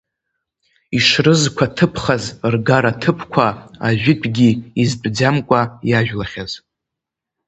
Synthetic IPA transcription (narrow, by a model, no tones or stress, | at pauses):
iʂrɨzkʷʰatʰɨpʰχazrɡaɾatʰɨpʰkʷʰaaʒᶣɪtʰʼɡʲiizbʼd͡zamkʷʼajaʒᶣlaχʲaz